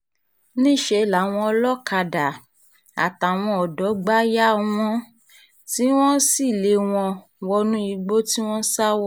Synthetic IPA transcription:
nĩ˦˨ʃe˧˨la˨w̃ɔ̃˧ɔ˧lɔ˦ka˧da˨ | a̰˨ta˨w̃ɔ̃˧ɔ˨dɔ˨˦ɡ͡ba˦ja˦w̃ɔ̃˦ | ti˦w̃ɔ̃˦si˦˨le˨˧w̃ɔ̃˧ | wɔ˧nũ˦i˧ɡ͡bo˦ti˦w̃ɔ̃˦sa˦wɔ˦

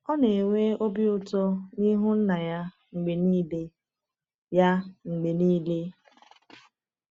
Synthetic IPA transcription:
ɔ˦ne˨ŋʷe˦o˦bi˦ʊ˦tɔ˦ni˦ɦʊ˦n̩˦na˨ja˦ | ŋ͡m̩˨ɡ͡be˨niː˦le˦ | ja˦ŋ͡m̩˨ɡ͡be˨niː˦le˦

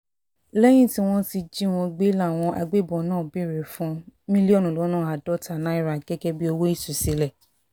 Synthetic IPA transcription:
lɛ˦j̃ĩ˦˨ti˦w̃ɔ̃˦ti˧d͡ʒi˦w̃ɔ̃˧ɡ͡be˦la˦˨w̃ɔ̃˧ʔa̰˧ɡ͡be˦bɔ̃˨nãː˦˨bi˦˨ɾe˨fũ˧mĩ˦li˦ɔ˦˨nũ˨lo˨˦nãː˦˨a˨dɔ˦ta˨nã˨˦i˦˨ɾa˨kɛ˦kɛ˦bi˦o˧wo˦i˦˨su˨si˨˦lɛ˦˨

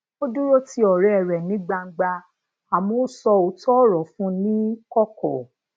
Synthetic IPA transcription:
o˦du˦ɾo˦ti˧ɔ˨ɾɛ˨ɛ˨ɾɛ˨nĩ˨˦ɡ͡ba˧ŋ̩˦ɡ͡ba˧ | a˨mo˨˦sɔ˧o˧˦tɔ˦ɾɔ˨fũ˦nĩ˦kɔ˦kɔ˨

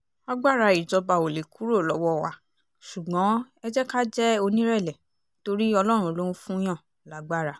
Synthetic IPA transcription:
a˦ɡ͡ba˦˨ɾa˧i˨d͡ʒɔ˧ba˧˨o˨le˨kʰu˨˦ɾo˦˨lɔ˨˦wɔ˦˨wa̰˨ | ʃu˨ɡ͡bɔ̃˨˦ | ɛ˧d͡ʒɛ˦ka˦d͡ʒɛ˦o˧nĩ˦ɾɛ˦˨lɛ˨ | to˧ɾi˦ɔ˧lɔ˦ɾ̃ũ˧o˧lo˦ɾ̃ũ˦fũ˦j̃ã˦˨ | la˨˦ɡ͡ba˦˨ɾa˧

